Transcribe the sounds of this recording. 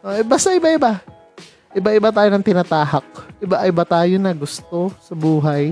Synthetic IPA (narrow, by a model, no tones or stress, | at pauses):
ʔoʔɪbaːst̪ɐɪbaɪba | ʔɪbaʔɪbat̪aːjonɐŋt̪ɪnaːt̪aːɦɐk̚ʔɪbaʔɪbat̪aːjonɐɡʊst̪o̞sɐbuːɦɐj